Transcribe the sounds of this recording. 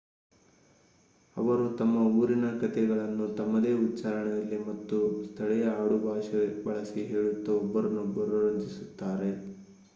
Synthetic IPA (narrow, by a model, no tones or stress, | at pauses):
ɐ̰ʋɐɾut̪ɐmːɐuːɾinɐkɐt̪ɛɡɐɭɐnːut̪ɐmːɐd̪e̞ːutːt͡ʃaːɾɐɳɛjɐlːimɐt̪ːust̪ʰɐɭɛjɐaːɽubʱaːʂɐbɐɭɐsiɦeːɭut̪ːɐːbːɐɾɐnːubɐɾuɾɐɲt͡ʃisut̪ːaːɾe̞